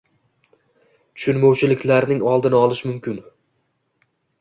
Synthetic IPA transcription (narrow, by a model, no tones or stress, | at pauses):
t̪ʰʊ̥ʃʊnmɒwt͡ʃʰɪlɪkʲlaɾnɪŋɒlˠd̪ɪnɪɒlˠɪʃmʊmkʲɪn